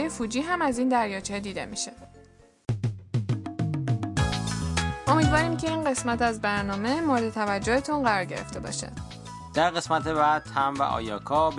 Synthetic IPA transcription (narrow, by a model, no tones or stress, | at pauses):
jefuːd͡ʒiːɦæmæziːnd̪æɾjɒːt͡ʃhed̪iːd̪e̞miʃe | o̞miːd̪vɒːɾiːmcʰe̞iːnɢe̞smæt̪æzbæɾnɒːme̞moɾed̪et̪ʰævæd͡ʒːohet̪ʰunɢæɾɒɾɟe̞̰ɾe̞̰ft̪e̞bɒ̰ːʃæ̰̥ | d̪̥æɾɣe̞smæt̪ʰebæːd̪̥hæmvæ̰ʔɒ̰ːjɒːkʰɒːb